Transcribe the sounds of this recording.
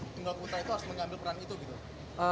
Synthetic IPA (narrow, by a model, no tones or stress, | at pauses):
t̪əŋɡalput̪ɾait̪uɦasməŋambɪlpəɾanit̪uɡit̪u | ʔə